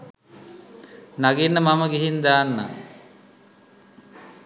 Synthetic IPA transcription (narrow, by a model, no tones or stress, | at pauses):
naɡinːəmaməɡiɦind̪aːnːa̰